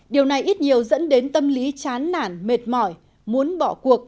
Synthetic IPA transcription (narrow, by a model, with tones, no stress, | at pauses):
ɗi˨˩əwna˨˩jʔi˦˥t̚ɲi˨˩əwzə̰˧˥nɗe˨˦nt̪ə˧mli˨˦t͡ɕaː˨˦nːa̰ː˧˩nme˨˩t̚mɔ˧˩j | mu˨˦ənɓɔ˧˩ku˨˩ək̚